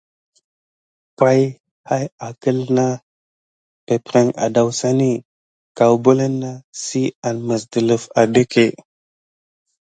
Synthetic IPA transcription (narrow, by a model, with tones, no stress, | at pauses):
ka˦j | ha˦ja˨kə˦lna˦ | pe˨pɾe˦ŋa̰˨da˨wsa˦ni˦ | ka˨wbo˦le˦nːa˦si˦a˨nmə˨s̬də˨lə˨va˨de˦ke˨